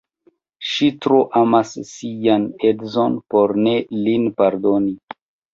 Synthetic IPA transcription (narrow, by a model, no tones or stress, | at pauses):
ʃitɾoʔamasːijanedzo̞npo̞ɾne̞linpaɾdo̞ni